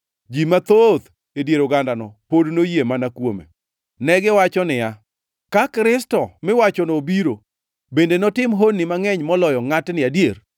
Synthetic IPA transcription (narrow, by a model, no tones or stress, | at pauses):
d͡ʒimat̪ot̪ | edjeɾoɡandanɔpodnojemanakwomḛ | nɛɡɪwat͡ʃɔnɪja | kakɾɪs̬tɔmɪwat͡ʃɔnobiɾo | bendenɔtɪmɦonːɪmaŋɛɲmɔlɔjɔŋatnɪadjeɾ